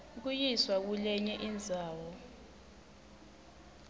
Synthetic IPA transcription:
k̬ujiswak̬ulɛɲɛʔind͡zʱaːwɔ

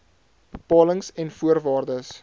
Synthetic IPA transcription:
bəpɑːləŋsɛnfuərvɑːrdəs

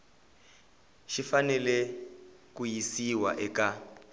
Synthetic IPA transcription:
ʃifanɛlɛ | kujisiwa̰ʔɛka

